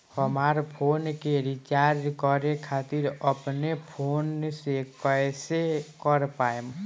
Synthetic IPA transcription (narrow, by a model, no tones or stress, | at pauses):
həmaːɾpʰoːnkeɾit͡ʃaːɾd͡ʒkɔɾekʰaːt̪ɪɾəpnepʰoːnsekəjsekəɾpaːem